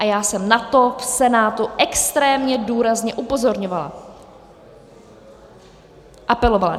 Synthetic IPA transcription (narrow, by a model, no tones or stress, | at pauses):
ʔajaːsɛmnat̪o̞fsɛnaːt̪uʔɛkst̪ɾɛːmɲɛduːɾazɲɛʔupo̞zo̞ɾɲovala̰ | ʔapɛlo̞vala̰